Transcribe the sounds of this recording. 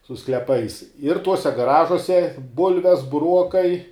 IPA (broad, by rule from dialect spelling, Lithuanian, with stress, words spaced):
sʊ sklʲɛˈpɐɪs ɪr ˈtuɔsʲɛ ɡɐˈrɑːʒuɔsʲɛ ˈbʊlʲʋʲɛs bʊˈruɔkɐɪ